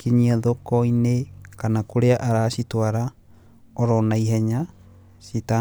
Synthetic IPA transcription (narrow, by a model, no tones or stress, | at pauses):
kiɲiaðokɔinekanakoɾeaʔaɾasitwaɾa | ɔɾɔnaiɦɛɲa | sita